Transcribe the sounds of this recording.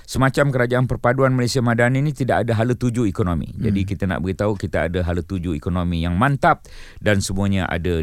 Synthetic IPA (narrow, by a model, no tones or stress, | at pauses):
səmãt͡ʃamkəɾad͡ʒaʔanpərpaduanmalesiamãdaninĩt̪idaʔadaɦalət̪ud͡ʒuikonomḭ̃d͡ʒa̰dikit̪ana̰ʔbəɡit̪aukit̪aa̰daɦalət̪ud͡ʒuikonomijaŋmãnt̪ap̚dansəmũaɲãʔa̰da